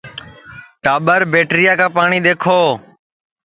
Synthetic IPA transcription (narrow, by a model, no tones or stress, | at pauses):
ʈaːɓəɾbeːʈɾɪjaːkãːpaːɳ̃iːɗ̪eːkʰoː